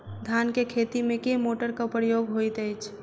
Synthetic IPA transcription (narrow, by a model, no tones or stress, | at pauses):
d̪ʱjankekʰet̪imẽkemoʈəɾkapɾəjoɡɦojt̪əjt͡ʃʰ